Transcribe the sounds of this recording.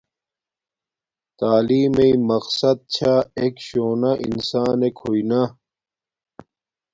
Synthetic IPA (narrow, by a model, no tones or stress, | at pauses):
t̪aːliːmeimɐqsɐd̪̚t͡ɕʰaekɕoːnaʔḭnsaːnekʰoina